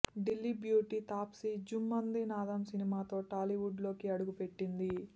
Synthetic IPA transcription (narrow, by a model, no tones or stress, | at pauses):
ɖilːibjuːʈit̪aːpsid͡ʒumːɐnd̪inaːd̪ɐmsinimaːt̪o̞ːʈaːliʋuɖlo̞ːkiɐɽuɡupe̞ʈːind̪i